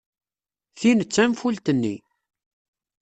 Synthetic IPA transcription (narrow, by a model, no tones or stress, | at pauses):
θinət͡sːæmfult̪ənːḭ